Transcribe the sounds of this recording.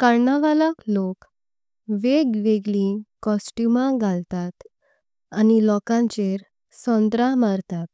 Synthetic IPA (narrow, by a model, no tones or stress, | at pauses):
kaɾɳaʋalaklok | ʋeɡʋeɡlĩkɔsʈjumaɡʱalt̪at̪ | anilɔkãɲt͡ɕeɾ | sɔ̃nd̪ɾãmaɾt̪at̪